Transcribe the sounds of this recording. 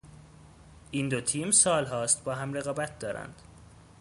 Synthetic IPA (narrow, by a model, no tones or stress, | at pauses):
ʔiːnd̪ot̪ʰiːmsɒːlɦɒːst̪bɒːɦæmre̞ɣɒːbæt̪̚ʰd̪ɒːɾæ̰nd̪̥